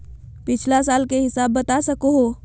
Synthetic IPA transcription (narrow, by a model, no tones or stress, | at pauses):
pɪt͡ʃʰlasalkeɦɪsaːbːət̪asəkoɦo